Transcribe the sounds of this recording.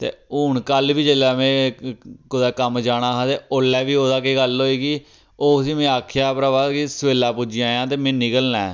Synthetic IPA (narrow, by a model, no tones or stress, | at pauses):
t̪ḛːʊːɳkəlʋiːd͡ʒeːlɛːmẽː | kʊd̪ɛːkəmd͡ʒaːɽaːɦãːt̪eːoːlːɛːʋiːoːd̪aːkeːɡəlɦoːiːɡiː | oːʊsĩːmẽːaːkʰjaːpɾaːbaːd̪kɪsʋeːlaːpud͡ʒɪãːjãːt̪eːmẽːnɪkəlnɛː